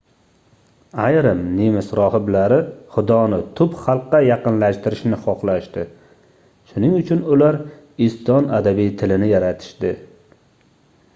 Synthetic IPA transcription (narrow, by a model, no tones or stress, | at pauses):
ajɾɪmnimɪsɾɒɦɪblaɾɪχʊd̪ɒnɪt̪ʰʊpχɑlˠqːɑjɑqɨnlaʃt̪ɪɾɪʃnɪχɒqlˠaʃt̪ɪ | ʃʊnɪŋʊt͡ʃʰʊnʊlaɾ | ɪsɒnad̪abijt̪ʰɪlɪnɪjaɾat̪ʰɪ̥ʃd̪ɪ